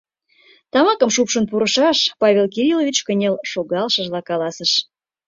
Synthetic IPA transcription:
t̪ɑmɑkəmʃupʃənpuɾəʃɑʃpɑβʲelk̬iɾʲilovʲit͡ɕkə̆nʲelʃoɣɑlʃəʒlɑkɑlɑsəʃ

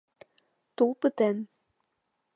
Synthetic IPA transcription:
t̪ulˠpɨt̪æn

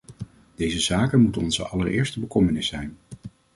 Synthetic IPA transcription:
d̥ejzəzaːkənmutɔnzə̰ʔɑləɹɪ̰ːɹstəbəkɔmənɪsɛjn

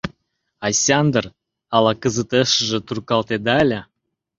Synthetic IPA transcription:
ɑsʲɑnd̪ər | ɑlɑkəzət̪eʃəʒĕt̪urkɑlt̪ed̪ɑlʲə

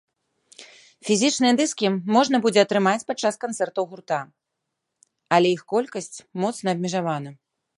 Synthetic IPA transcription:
fʲizʲit͡ʂnɨjɛd̪ɨskʲimɔʐnɐbud͡zʲɛɐt̪ɾɨmat͡sʲpat̪̚t͡ʂːaskant̪sɛrt̪ɐwɣurt̪a | ɐlʲɛjixkɔlʲkɐsʲt͡sʲmɔt̪snɐːb̚ʲmʲiʐavanɐ

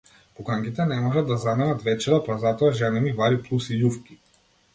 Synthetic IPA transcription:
pɔkaŋkit̪ɛnɛmɔʒad̪azamɛnat̪vɛt͡ʃɛɾapazat̪ɔaʒanɛmivaɾiplˠusijufki̥

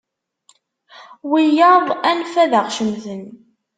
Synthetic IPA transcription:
wijɑðˤænfæðəʁʃəmθən

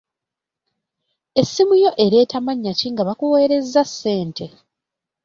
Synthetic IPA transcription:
e̞sːimujo̞ʔe̞ɾe̞ːtamaɲːaciŋɡaβakuwe̞ːɾe̞zːasːe̞ːntʰe̞

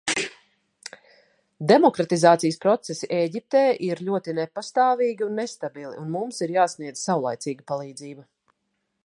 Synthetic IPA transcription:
d̪emɔkɾat̪izaːt̪sijəspɾɔt̪sesiʔeːɟʲip̚t̪ɛːʔiɾʎʲuɔt̪inɛpast̪aːviːɡiunːest̪abilˠḭʔunmumsiɾjaːsniɛd̪zsawlˠa̰jt̪siːɡəpalˠiːd̪ziːba

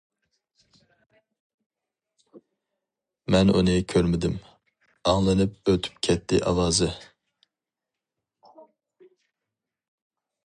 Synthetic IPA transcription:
mɛno̰nɨjkʲʰøɾmɪd̪ɪm | ɑŋlˠɨnɨp̚øt̪ʰy̥p̚kʲʰɛt̪ʰːɪʔɑ̰lɑːzɨ

